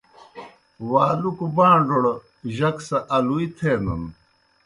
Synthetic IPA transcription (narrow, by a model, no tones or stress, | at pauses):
waːlukubãːɳɖoɽ | ʑɐksɐʔɐluit̪ʰeːnɐ̰n